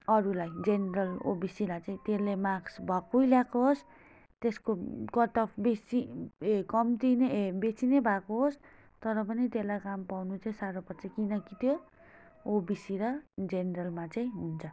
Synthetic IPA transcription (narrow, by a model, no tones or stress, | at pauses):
ʌɾulajd͡zeneɾʌlo̰bisilajt͡saĩt̪elemaɡsbʱʌkujljakoɦos | t̪eskokʌʈʌpʰbesiekʌmt̪inebet͡sinebʱakoɦos | t̪ʌɾʌp̬ʌnit̪elajkampawnut͡saĩsaɾopʌt͡sʌkinʌkit̪ʰjo | obisiɾʌd͡zeneɾʌlmat͡sãĩɦunt͡sʰʌ